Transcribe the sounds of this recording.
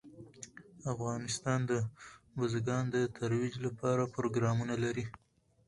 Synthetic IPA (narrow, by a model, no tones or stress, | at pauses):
afɣɑnɪst̪ɑnd̪əbʊzɡɑnd̪ət̪ʰaɾwid͡ʒlapɑɾapɾoɡɾɑmunalaɾi